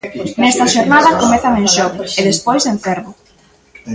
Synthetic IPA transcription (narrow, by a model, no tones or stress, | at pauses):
nɛst̪ɐʃoɾnaðɐkomeθɐmenʃɔkeðespojzeɱfeɾβʊ